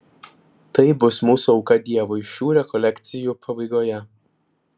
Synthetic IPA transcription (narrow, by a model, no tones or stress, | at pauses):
t̪ɐɪbʊsmuːsuɒʊkɐd̪ʲiɛʋoɪʃʲuːɾʲɛkɔlʲɛkʲt̪sʲɪjuːˑpʰɐbɐɪɡoːjɛ